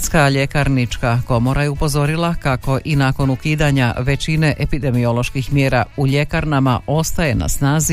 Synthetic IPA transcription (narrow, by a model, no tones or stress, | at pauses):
skaʎe̞kaɾnit͡ʃkako̞mo̞ɾajeupo̞zo̞ɾilˠakako̞ʔinaːko̞nukiːd̪aɲaʋe̞t͡ɕine̞ʔepid̪e̞mio̞lˠo̞ʃkixmjeːɾauʎe̞kaɾnama̰ʔo̞st̪aje̞na̰snaːzi